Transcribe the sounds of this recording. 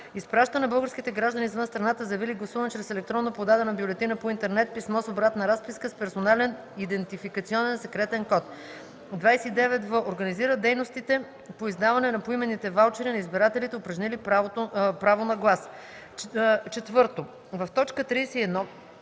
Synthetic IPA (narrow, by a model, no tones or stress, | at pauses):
ispɾaʃt̪ənɐbɤlˠɡəɾsk̟it̪ɛɡɾaʒd̪əniːzvɤnst̪ɾɐnat̪əzɐviliɡlˠɐsuvənt͡ʃɾɛsɛlɛk̚t̪ɾɔnːopod̪ad̪ɛnɐbjulɛt̪inəpoint̪ɛɾnɛt̪̚pismɔsobɾat̪nɐɾaspiskəspɛɾsonalɛn | id̪ɛnt̪ifikɐt̪siɔnɛnsɛkɾɛt̪ɛnkɔt̪ | d̪vajsɛid̪ɛvɛt̪vəʔoɾɡɐniziɾəd̪ɛjnost̪it̪ɛ | poizd̪avɐnɛnɐpoimɛnːit̪ɛvalˠt͡ʃɛɾinɐizbiɾat̪ɛlit̪ɛʊpɾɐʒnilipɾaot̪pɾavonɐɡlˠas | t͡ʃɛt̪vɤɾt̪o | vɐft̪ɔt͡ʃkət̪ɾiːsɛiɛd̪nɔ